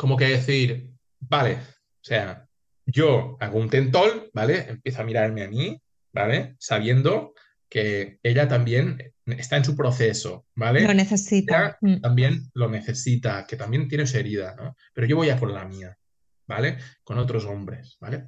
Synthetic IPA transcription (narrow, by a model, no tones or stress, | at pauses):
ko̞mokeðeθiɾ | bale̞ | osea | ɟ͡ʝoaɣount̪e̞nt̪o̞lbale̞empjeθoamiɾaɾmeami | ba̰le̞saβ̞je̞nd̪o̞ | ke̞eʎat̪ambje̞nest̪aensupɾoθeso̞baleloneθesit̪at̪ambjenlo̞ne̞θe̞sit̪ake̞t̪ambje̞nt̪jenesueɾið̞ano̰pe̞ɾoʝo̞βo̞jakonla̰mia | bale̞ko̞not̪ɾo̞so̞mbɾe̞sbale̞